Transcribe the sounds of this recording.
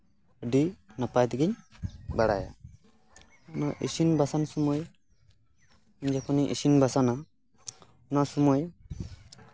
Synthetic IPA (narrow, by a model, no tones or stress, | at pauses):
əɖinapajd̪iɡiɲbaɽa̰ja̰ | ɔnaʔisinbasansɔmɔj | ɲd͡ʒakʰɔniʔḛsinbasana | nasɔmɔj